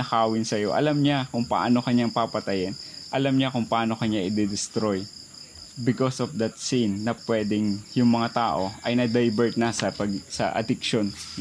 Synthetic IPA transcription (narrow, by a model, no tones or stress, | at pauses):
nɐkaːwɪnsɐjo̞ʔɐ̰lamɲakʊŋpɐ̰ʔa̰no̞kɐɲːaŋpapɐt̪ɐjɛnʔɐlamɲakʊŋpɐʔaːno̞kɐɲaʔɪd̪ɪd̪ɪst̪ɾoj | bɪkosofd̪ɐt̪̚sinːɐpwɛːd̪ɪŋjʊŋmɐŋat̪aːʔo̞ʔɐjnɐd̪ajbɛɹt̪̚nɐsɐpɐɡsɐ̰ʔɐ̰d̪ɪkʃon